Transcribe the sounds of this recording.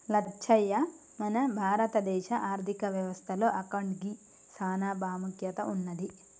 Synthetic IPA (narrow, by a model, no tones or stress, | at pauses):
lɐt͡ʃʰɐjːɐ | mɐnɐbʱaːɾɐt̪ɐd̪ɛːʃɐʔaːɾt̪ʰikɐʋjɐʋɐst̪ʰɐlo̞ːʔɐkɐɳɖɡi | saːnaːbaːmɐkjɐt̪ɐunːɐd̪i